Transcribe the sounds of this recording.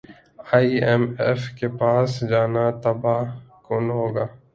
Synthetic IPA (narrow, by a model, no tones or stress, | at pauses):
aːiɛmɛfkepaːsd͡ʒaːnat̪əbaːkʊnɦoːɡaː